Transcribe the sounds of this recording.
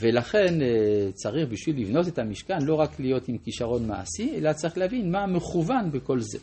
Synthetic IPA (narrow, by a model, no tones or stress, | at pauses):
velaχe̞nt͡saʁiχbiʃvilːivno̞t̪et̪amiʃkanlo̞ʁaklijo̞t̪imkiʃaʁo̞nma̰a̰sie̞lat͡saʁiχleavinmameχuvanbeko̞lze̞